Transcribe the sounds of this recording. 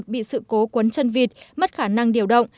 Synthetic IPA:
t̚ɓḭ˧˨sɨ̰˧˨ko˨˦kwə˨˦nt͡ɕə˧nvi˨˩t̚mə˦˥t̚xaː˧˩na˧ŋɗi˧˩əwɗə̰˧˨wŋ͡m

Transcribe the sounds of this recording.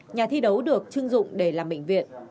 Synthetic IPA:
ɲaː˨˩t̪ʰi˧ɗə˨˦wɗɨ˨˩ək̚t͡ɕɨ˧ŋzʊ̰˧˨ŋ͡mɗe˧˩laː˨˩mɓḛ˧˨jŋ̟vḭ˧˨ənʔ

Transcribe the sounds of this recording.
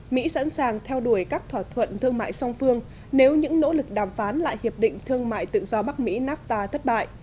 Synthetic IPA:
mḭ˧˥sa̰˧˥nsaː˨˩ŋt̪ʰɛ˧wɗu˧˩əjkaː˦˥k̚t̪ʰwaː˧˩t̪ʰwə̰˧˨nt̪ʰɨ˧əŋma̰ː˧˨jsɔ˧wŋ͡mfɨ˧əŋ | ne˨˦wɲɨ̰˧˥ŋno̰˧˥lɨ˨˩k̚ɗaː˨˩mfaː˨˦nla̰ː˧˨jhi˨˩əp̚ɗḭ̈˧˨ŋ̟t̪ʰɨ˧əŋma̰ː˧˨jt̪ɨ̰˧˨zɔ˧ɓa˦˥k̚mḭ˧˥naː˦˥p̚t̪aː˧˩t̪ʰə˦˥t̚ɓa̰ː˧˨j

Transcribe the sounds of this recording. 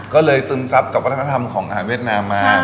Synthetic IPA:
kɔː˥˩lɤː˧jsɯː˧msa˦˥p̚ka˨˩p̚wa˦˥t̪ʰːa˧˥t̪ʰa˧mkʰɔː˩˦ŋʔa˧ɦaː˨˩nwi˥˩ət̪̚naː˧mːaː˧

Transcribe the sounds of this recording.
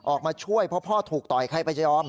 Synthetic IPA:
ʔɔː˨˩k̚maː˧t͡ɕʰu˥˩əjpʰɾɔ˦˥pʰɔː˥˩t̪ʰuː˨˩k̚t̪ɔ˨˩jkʰa˧˩jpa˧t͡ɕa˧˥jɔː˧˥˩m

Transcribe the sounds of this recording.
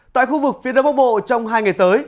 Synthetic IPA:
t̪a̰ː˧˨jxu˧vɨ˨˩k̚fi˨˦əɗə˨˦ŋ͡mɓaː˧˦˥w̚ɓo̰˧˨t͡ɕɔ˧wŋ͡mɦaː˧jŋa˨˩jt̪əː˨˦j

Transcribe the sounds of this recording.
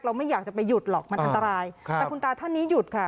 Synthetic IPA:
kɾa˧wma˥˩jaː˨˩k̚t͡ɕa˨˩pa˧jːu˨˩t̪̚lɔː˨˩k̚ma˧nʔa˧nt̪a˧ɾaː˧j̪ɛ˨˩kʰu˧nt̪aː˧t̪ʰa˥˩nːiː˦˥ju˨˩t̪̚kʰa˥˩

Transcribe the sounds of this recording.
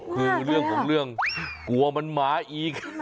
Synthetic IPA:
kʰɯː˧ɾɯ˥˩əŋkʰɔː˩˦ŋɾɯ˥˩əŋku˨˩ɐma˧nmaː˨˩˦ʔiː˨˩k̚

